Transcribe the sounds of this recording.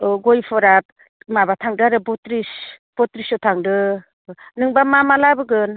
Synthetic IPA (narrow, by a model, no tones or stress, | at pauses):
ɡojpʰɯɾap̚ | mabatʰaŋdɯaɾɯbɔtɾis | b̥ɔtɾisɔtʰaŋdɯ | nɯŋbamamalabɯɡɯn